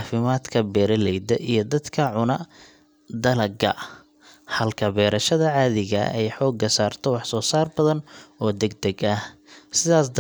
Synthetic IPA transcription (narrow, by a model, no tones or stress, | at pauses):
fɪmaːd̪kʰɐbɛːɾɐlɛjd̪ɐʔijɞd̪ɐd̪kʰɐʕʊnɐ | d̪ɐlɐɡɐ̰ | hɐlkʰɐbɛːɾɐʃɐðɐʕɑːðɪɣɐ̰ɛjħɔːɡɐsaːrt̪ʰɔwɑħsɔːsaːrbɐðɐnɔːd̪ɛɡ̚d̪ɛɡɐhsɪðaːsd̪